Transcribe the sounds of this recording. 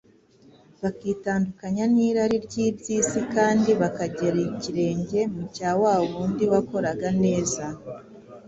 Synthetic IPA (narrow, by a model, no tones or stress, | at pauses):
βakiːtaːndukaɲaniːɾaɾiɾɟiːbɟiːsikaːndiβakaɟeɾiciɾe̞ːɲɟe̞mucaːwaːβuːndiwako̞ɾaɡane̞ːza